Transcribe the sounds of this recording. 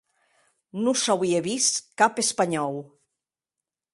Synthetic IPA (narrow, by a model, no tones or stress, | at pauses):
nusawieβiskapespaɲɔw